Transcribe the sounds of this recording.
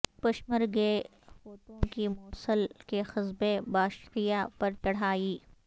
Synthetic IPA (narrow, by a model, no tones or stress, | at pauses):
pɐʃməɾɡe | xoːt̪õkimɔːsəlkexɪzbebaːʃkijapɐɾt͡ʃɐɽ̤aːiː